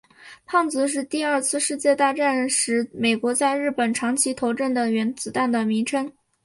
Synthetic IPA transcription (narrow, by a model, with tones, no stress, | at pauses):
pʰɑ˥˩ŋt͡sɹ̩˧˥ʂ̬ɻ̩˥˧t̪i˥˧ɐ˞˥˧t͡sʰɹ̩˥˧ʂɻ̩˥˧t͡ɕjɛ˥˧t̪a˥˧ʈ͡ʂa˥˩nʂɻ̩˧˥me˨˩ɪkwɔ˧˥t͡sa˥˧ɪɻɻ̩˥˩pə˨˩nʈ͡ʂʰɑ˧˥ŋt͡ɕʰi˧˥t̪ʰo˧˥ʊʈ͡ʂə˥˩nd̪ə˩ɥɛ˧˥nt͡sɹ̩˨˧˩t̪a˥˩nd̪ə˩mi˧˥ŋʈ͡ʂʰə˥ŋ